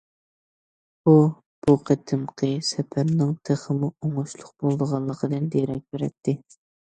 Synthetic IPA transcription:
bu | b̥uqʰət̪ʰɨmqʰəsɛpʰæɾnɪŋt̪ʰeχəmuoŋuʃlˠʊq̚bolˠd̪əʁɑlˠːəqʰəd̪ɨnd̪eɾɛk̚ʲbeɾɛ̰t̪ʰːɪ

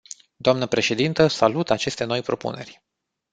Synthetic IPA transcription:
d̪oamnəpɾe̞ʃe̞d̪int̪əsalut̪at͡ʃe̞st̪e̞no̞jpɾo̞pṵne̞rʲ

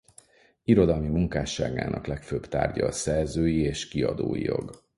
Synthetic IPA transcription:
iɾo̞d̪ɒlmimuŋkaːʃːaːɡaːnɒklɛkføːbt̪a̰ːrɟɒːsɛrzøːjieːʃkiɒd̪o̰ːjijo̞̰ɡ

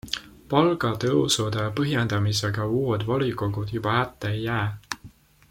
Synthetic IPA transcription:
pɑlɡ̥ɑt̪ɤwsud̪̥epɤɦjend̪̥ɑmise̞ɡ̥ɑuːed̪̥vɑliko̞ɡud̪̥jub̥ɑhæt̪ːeejːæː

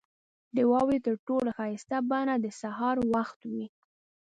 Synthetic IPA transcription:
d̪əwɑwet̪əɾʈolaxɑjɪst̪abanad̪əsaɦɑɾwaxt̪wi

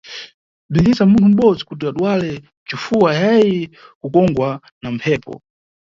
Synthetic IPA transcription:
b͡ʐind͡ʒisamuntʰum̩ɓɔd͡zikut̬iaɗwalɛ | t͡ʃufuajajɛ | kukɔŋɡwa | nampʰɛːpɔ̰

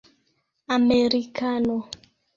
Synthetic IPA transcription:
ameɾikano

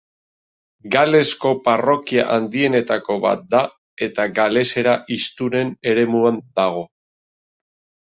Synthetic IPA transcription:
ɡale̞sko̞paro̞kiaʔand̪ie̞ne̞t̪ako̞βa̰t̪̚d̪a | e̞t̪aɡale̞se̞ɾaʔist̪uɾe̞ne̞ɾe̞muand̪aɣ̞o̞

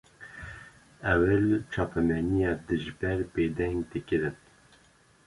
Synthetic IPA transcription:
ɛwɛlt͡ʃʰɑːpɛmɛnijɑːd̪ɨʒbɛɾpeːd̪ɛŋɡd̪ikɨɾɨn

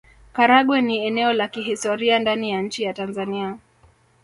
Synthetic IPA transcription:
kaɾaɠwɛniɛnɛɔlakiɦistɔɾiandanijaɲ̩t͡ʃijatanzania

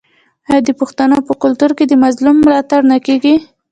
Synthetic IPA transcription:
ajɑd̪əpʊxt̪anəpəkʊlt̪uɾked̪əmazlumːlɑt̪aɾnakeɡi

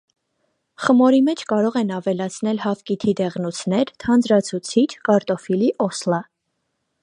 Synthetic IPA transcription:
χəmɔɾimɛt͡ʃʰkɑɾɔʁɛnɑvɛlɑt͡sʰnɛlhɑvkit̪ʰid̪ɛʁnut͡sʰnɛɾt̪ʰɑnd͡zɾɑt͡sʰut͡sʰit͡ʃʰkɑɾt̪ɔfiliʔɔslɑ

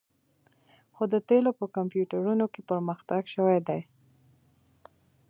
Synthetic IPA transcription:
xod̪ət̪elopəkampjuʈaɾunokepəɾməxt̪aɡʃəwad̪aj

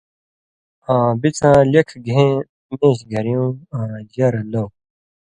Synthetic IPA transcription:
ãːbit͡sʰãːlekʰɡẽː | mẽːɕɡʱɐɾjũãːd͡ʑɐɾlow

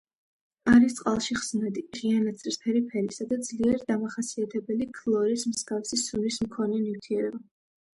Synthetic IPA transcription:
aɾist̪sqʼalˠʃiχz̥nad̪iʁianat̪sʰɾispʰɛɾipʰɛɾisad̪ad̪zliɛɾd̪amaχasiat̪ʰɛbɛlikʰlˠɔɾismsɡafsisunismkʰɔnɛnift̪ʰiɛɾɛba

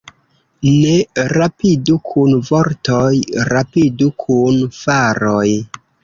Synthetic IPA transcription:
ne̞ɾapidukʰunvoɾtojɾapidukʰunfaɾoj

